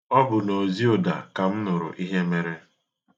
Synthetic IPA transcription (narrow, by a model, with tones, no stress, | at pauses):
ɔ˦bʊ˨no˨zi˦o˨da̰˨ka˨m̩˦nʊ˨ɾʊ̰˨ʔi˦ɦe˦me˦ɾe˦